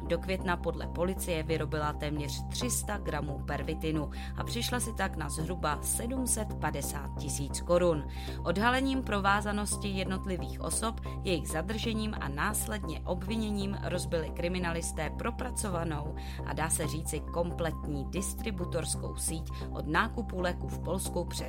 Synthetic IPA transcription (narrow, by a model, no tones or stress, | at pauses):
do̞kvjɛt̪napo̞dlɛ̰po̞lɪt͡sɪjɛvɪɾo̞bɪlat̪ɛːmɲɛr̝̥t̪r̝̥ɪst̪aɡɾamuːpɛɾvɪt̪ɪnu | ʔa̰pr̝̥ɪʃlasɪt̪aknazɦɾubasɛdumsɛt̪padɛsa̰ːt̪̚cɪsiːt͡sko̞ɾun | ʔo̞dɦalɛɲiːmpɾo̞vaːzano̞scɪjɛdno̞t̪lɪviːxʔo̞̰so̞p | jɛjɪɣzad̪r̩ʒɛɲiːmʔa̰naːslɛdɲɛʔo̞bvɪɲɛɲiːmɾo̞zbɪlɪkɾɪmɪnalɪst̪ɛːpɾo̞pɾat͡so̞vano̞w | ʔa̰daːsɛriːt͡sɪko̞mplɛt̪ɲiːdɪst̪ɾɪbut̪o̞ɾsko̞̰wsiːc | ʔo̞dnaːkupulɛkufpo̞lskupr̥ɛ